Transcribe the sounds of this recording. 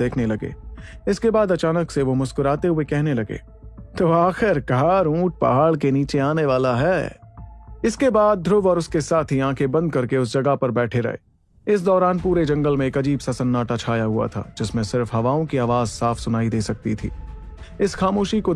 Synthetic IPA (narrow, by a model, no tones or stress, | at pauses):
eːkʰnelɐɡḛːɪskebaːd̪ɐt͡ʃaːnəkseʋomʊskʊɾaːt̪eɦuekɛɦnelɐɡḛː | t̪oːaːxɪɾɡʱaːɾũːʈ̚pɐ̰ɦaːɭk̬eniːt͡ʃeaːneʋaːlaɦɛː | ɪskebaːd̪̚ːʱɾʊʋɔːɾʊskesaːt̪ʰɦiãːkʰebɐ̃nd̪̚kɐɾkeʊs̬d͡ʒɐɡapɐɾbɛːʈʰeɾɐ̰ḛː | ɪs̬d̪ɔːɾaːnpuːɾed͡ʒɐ̃ŋɡəlmẽeːkɐd͡ʒiːbsɐsənːaːʈat͡ʃʰaːjaɦʊa̰t̪ʰa̰ːd͡ʒɪsmẽsɪɾfɦɐʋaːõkiaːʋaːzsaːfsʊnaːid̪eːsɐk̚t̪it̪ʰḭː | ɪsxaːmoːʃiko